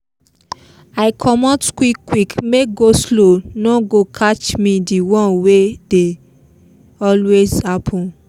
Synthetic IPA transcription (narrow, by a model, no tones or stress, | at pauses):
aɪkʰɔmɔtkwikːwikmek̚ɡoslonɔɡokʰat͡ʃmĩdiwɔ̃nwede | ɔlwezhapʰɔ̃n